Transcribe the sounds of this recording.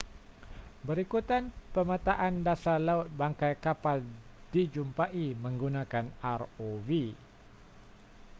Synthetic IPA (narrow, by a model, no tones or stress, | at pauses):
bəɾikut̪anpəmat̪aʔandasalaʊt̪̚baŋkajkapald̥id͡ʒumpaʔiməŋɡunakanarovi